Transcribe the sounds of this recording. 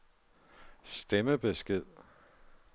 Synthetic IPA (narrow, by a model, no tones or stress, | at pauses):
sd̥eməb̥e̝sɡ̥ið̰ˠ